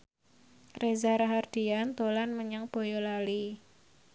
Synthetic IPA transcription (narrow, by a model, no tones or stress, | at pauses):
rezaɾaɦard̪̥iant̪olanməɲaŋb̥o̤jɔlali